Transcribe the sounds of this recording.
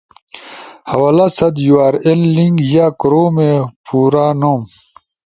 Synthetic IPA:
hɐwalasɐd̪juaːɾelːiŋɡjakɾoːmepuːɾanoːm

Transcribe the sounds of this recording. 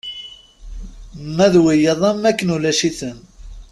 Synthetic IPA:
mæðwijəðˤæmːækːənulæʃiθən

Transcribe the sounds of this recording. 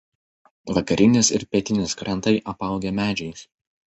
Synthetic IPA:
ʋɐkɐɾʲɪnʲɪsɪɾpʲɛːt̪ʲɪnʲɪskɾʲʔɛnˑt̪ɐɪʔɐpɐˑʊɡʲɛmʲæːd͡ʒʲɛɪs

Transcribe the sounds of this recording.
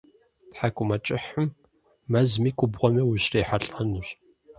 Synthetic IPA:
tħakʷʼʊmɐt͡ʃʼɪħəm | mɐzmiːkʷʰʼʊbʁʷɔmiwʊɕreːħaɬʼɐnuɕ

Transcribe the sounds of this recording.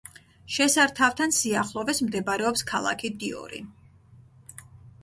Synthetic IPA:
ʃɛsaɾt̪ʰavt̪ʰansiaχlˠɔvɛsmd̪ɛbaɾɛɔpskʰalˠa̰kʰid̪iɔ̰ɾḭ

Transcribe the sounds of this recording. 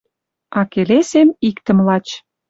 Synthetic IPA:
ɑkelesemikt̪ə̆mlɑt͡ɕ

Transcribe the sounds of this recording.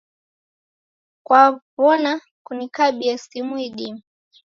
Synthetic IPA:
kwapɔna | kunikaɓiasimuiɗimu

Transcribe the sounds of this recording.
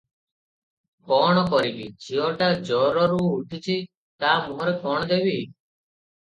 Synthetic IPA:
kɔɽ̃ɔkɔɾikḭd͡ʒiɔʈad͡ʒɔɾɔɾuːʈʰit͡ʃʰi | t̪amuɦɔɾekɔɽ̃ɔd̪ebi

